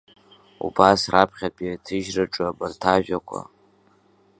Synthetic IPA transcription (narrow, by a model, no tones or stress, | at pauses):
ubasrʔapʰχʲapʼatʰɨʒraʈ͡ʂʼabɨrtʰaʒᶣakʷʰʼa̰